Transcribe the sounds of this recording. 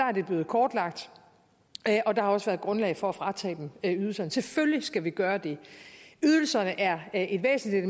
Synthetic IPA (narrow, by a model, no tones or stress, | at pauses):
ɑ̈æɐd̥e̝b̥le̝ːð̩ˠkʰɒːd̥lɑ̈ɡ̥̚d̥ | ʔɒ̽d̥ɑ̈hɑ̈ɒ̽sʋæːɐð̞ˠɡ̥ʁɔ̽nlɛɪfɒ̽æfʁɑ̈t͡sʰɛ̰ːd̥emyðˠl̩sɐnəse̝føljisɡ̥æʋiɡ̥ɶːɐd̥e̝yð̞ˠl̩sɐnəʔæɐʔe̝d̥ʋḛːsn̩lid̥